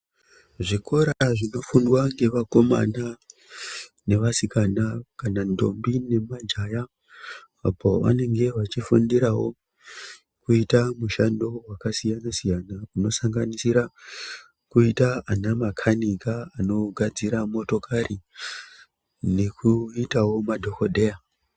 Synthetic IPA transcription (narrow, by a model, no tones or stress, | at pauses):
ʐiko̞ɾaʐino̞fundwaŋɡe̞ʋako̞ma̰na | ne̞ʋasikanakanando̞mbine̞mad͡ʒajaː | pʰo̞ʋa̰ne̞ŋɡe̞ʋat͡ʃifundiɾawo̞̰ | kuitamuʃando̞wakasijanasijanauno̞saŋɡanisiɾa | kuitaanamakʰanikaano̞ɡʱad͡ziɾamo̞to̞kʰari | ne̞kʰuitawo̞madʱo̞kodʱe̞ja